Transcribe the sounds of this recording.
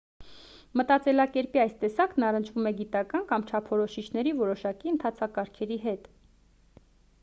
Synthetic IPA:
mət̪ɑt͡sɛlɑkɛɾpiɑjst̪ɛsɑknɑrənt͡ʃʰvumɛɡit̪ɑkɑnkɑmt͡ʃʰɑpʰɔɾɔʃit͡ʃʰnɛɾivɔɾɔʃɑkiənt̪ʰɑt͡sʰɑkɑɾkʰɛɾiɦɛt̪

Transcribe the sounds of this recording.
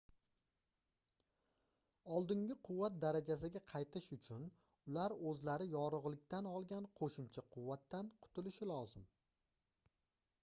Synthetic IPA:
ɒlˠd̪ɪŋɡʲɪqʰʊwːat̪̚d̪aɾad͡ʒas̬ɪɡʲaqʰɑjt̪ʰɪʃʊt͡ʃʰʊn | ʊlaɾɵzlaɾɪjɒɾʊʁlɪk̚ʲt̪anɒlˠɡʲanqʰoʃʊmt͡ʃʰaqʰʊwːat̪ːanqʰʊ̥t̪ʰʊlɪʃɪlɒzɪm

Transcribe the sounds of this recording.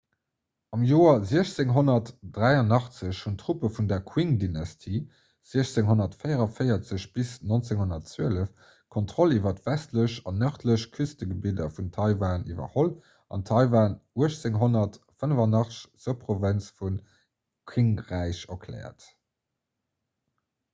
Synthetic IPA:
ɑmjoːɐziəɕt͡seŋɦonɐtd̥ʁæɪɐnɑχt͡səɕhuntʁ̥upəfundɐkʰwiŋdinɑstʰiː | z̥iəɕt͡seŋɦonɐtfɜɪɐʁɐfəɪɐt͡səɕbisnont͡seŋhonɐtt͡swøələf | kʰontʁolivɐtvæstləɕɑnːœχtʰləɕkʰystəɡəbidɐfuntʰɑɪvaːnḭvɐ̰hol | ʔɑ̰ntʰɑɪvaːnuəɕt͡seŋɦonɐt | fənəvɐnɑχt͡sə̥ɕz̥əpʁovənt͡sfun | kʰwiŋʁæɪɕɐkʰlɛ̰ːɐ̰t

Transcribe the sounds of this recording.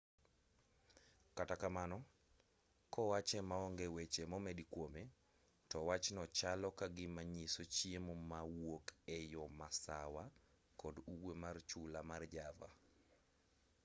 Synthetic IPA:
katakamanɔ | kʰɔwat͡ʃɛmaɔŋɡewet͡ʃemɔmedikwome | tɔwat͡ʃnɔt͡ʃalɔkaɡɪmaɲisot͡ʃiemomawwokɛjɔmasawa | kɔduwwemart͡ʃulamard͡ʒava̰

